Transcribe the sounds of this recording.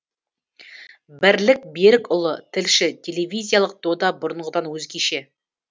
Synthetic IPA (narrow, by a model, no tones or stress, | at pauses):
bɪɾlɪk̚be̞ɾɪkʊlˠət̪ʰɪlʃɪt̪ʲʰe̞levʲijzʲijalˠəq̚d̪̥od̪ɑbʊɾəɴʁəd̪ɑnwɵzɡʲeʃe̞